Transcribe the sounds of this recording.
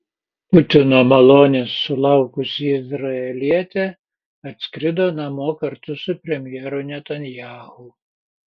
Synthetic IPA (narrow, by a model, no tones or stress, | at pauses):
pʊt̪ʲɪnoːmɐlˠoːnʲesːʊlˠɑˑʊkʊsʲɪɪzɾɐɛlʲiɛt̪ʲɛ | ɐt̪ʲsʲkɾʲɪd̪oːnɐmoːkɐɾt̪ʊsʊpʲɾʲɛmʲjɛɾʊnʲɛt̪ɐnʲjæːhʊ